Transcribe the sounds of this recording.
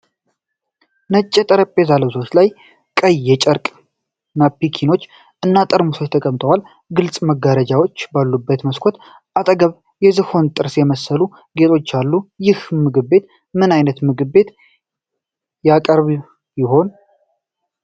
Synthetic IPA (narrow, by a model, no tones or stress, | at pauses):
nət͡ʃʼːɛt̪ʼəɾəpʼːezaləβso̞t͡ʃlaj | kʼəjːɛt͡ʃʼəɾkʼ | napːikʰino̞t͡ʃː | ʔɨnːat̪ʼəɾmusot͡ʃt̪ʰəkʼəmt̪ʰʼəwal | ɡɨlt͡sʼməɡaɾəd͡ʒawo̞t͡ʃːbalːubːət̪məskʷʰot̪ | ʔat̪ʼəɡəβ | jɛzɨho̞nt̪ʼɨɾsjɛməsːəlu | ɡe̞t̪ʰo̞t͡ʃːalːujɪhmɨɡɨβːe̞t̪ | mɨnajnət̪mɨɡɨβe̞t̪ | jakʼəɾβ | jɪɦo̞n